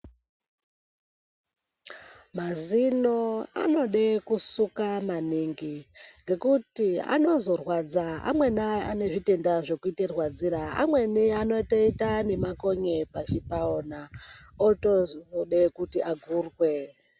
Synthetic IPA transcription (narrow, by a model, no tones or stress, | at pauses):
mazinoa̰no̞ɗekusukamaniŋɡiŋɡe̞kutia̰no̞zo̞rwad͡zaa̰mwe̞naane̞ʐite̞ndaʐe̞kuiterwad͡ziɾaa̰mwe̞niano̞to̞itane̞mako̞ɲe̞pat͡ʃipaonaotoɗekutiʔaɡʱuːrwe